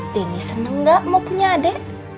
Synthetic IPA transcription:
d̥enisənəŋɡaʔmapuɲadɛʔ

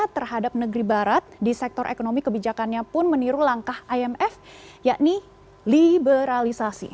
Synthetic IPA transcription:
at̪ərɦadap̚nəɡəɾibaɾat̪̚disɛk̚t̪ɔɾʔḛkonomikəbid͡ʒakanɲapʊnməniɾulaŋkahʔaɛmɛfjaʔni | libəɾalisasḭ

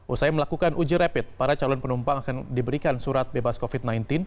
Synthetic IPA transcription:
ʔusajaməlakukanʔud͡ʒiɾapɪt̪̚paɾat͡ʃalɔnpənumpaŋakandibəɾikansuɾat̪̚bebaskofit̪̚najnt̪ɪn

